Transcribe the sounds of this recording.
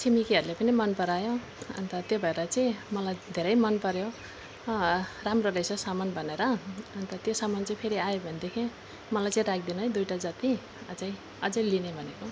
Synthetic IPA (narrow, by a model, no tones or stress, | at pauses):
sʰimikiʌɾulepʌnimʌnpʌɾajo | ʌ̰nt̪ʌt̪jobʱʌeɾʌt͡saĩmʌlajd̪ʱeɾʌjmʌnpʌɾjo | ramrolejsʰʌsamʌnbʱʌneɾʌʌnt̪ʌt̪josamʌnt͡saĩpʰeɾiajobʱʌnid̪ekʰẽ | mʌlajt͡saĩɾak̚ʰd̪inʌʌjd̪ujʈad͡zʌt̪i | t͡saĩ | ʌd͡zʌjlinebʱʌneko